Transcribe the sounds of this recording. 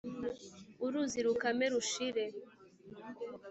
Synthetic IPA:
uɾuziɾukameɾuʃiɾe

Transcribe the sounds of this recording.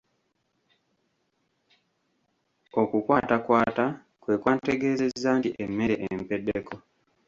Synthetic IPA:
okukwatakwaːta | kweːkwanteɡezezantiʔemeɾeʔempeɗekʰo

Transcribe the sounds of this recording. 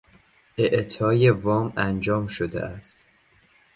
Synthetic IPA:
ʔeʔt̪ʰɒːjevɒːmænd͡ʒɒːmʃod̪ḛʔæst̪

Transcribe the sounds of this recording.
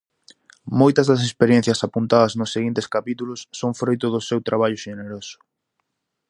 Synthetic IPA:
mojt̪ɐzðɐs̬espeɾjen̟θjɐsapunt̪aðɐznʊsːeɣint̪eskapit̪ulʊsːoŋfɾojt̪ʊðʊsewt̪ɾaβ̞aʎʊʃeneɾosʊ̥

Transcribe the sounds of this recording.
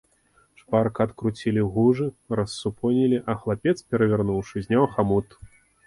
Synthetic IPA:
ʂparkɐt̪kɾut͡sʲilʲiɣuʐɨɾɐsːupʰɔnʲilʲiʔɐxlˠapʲɛt̪spʲɛɾɐvʲɛarnuwʂɨzʲnʲawxamut̪

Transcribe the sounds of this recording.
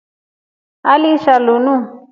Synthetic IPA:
aliʃalunũ

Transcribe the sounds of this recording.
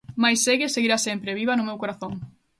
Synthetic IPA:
majsːeɣeseɣiɾasempɾeβiβɐnʊmewkoɾaθoŋ

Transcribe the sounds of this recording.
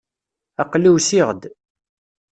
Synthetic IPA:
ɑqliwsiʁd̪

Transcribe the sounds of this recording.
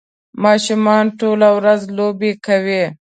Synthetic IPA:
mɑʃumɑnʈolawɾazlobekawe

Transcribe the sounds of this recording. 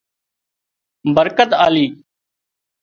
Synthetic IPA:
bəɾkət̪aːliː

